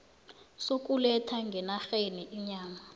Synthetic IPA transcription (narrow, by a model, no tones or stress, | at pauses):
sok̬ʼulɛtʰaŋɡʱɛnaxeniʔiɲaːma